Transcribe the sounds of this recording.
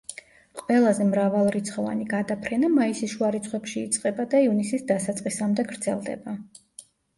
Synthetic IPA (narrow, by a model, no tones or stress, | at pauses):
qʼvɛlˠazɛmɾavalˠɾit̪sʰχɔva̰niɡad̪apʰɾɛnamaisisʃuaɾit̪sʰχwɛpʃiːt̪sʼqʼɛbad̪aiunisisd̪asat̪sʼqʼisamd̪ɛɡɾd̪zɛlˠd̪ɛ̰ba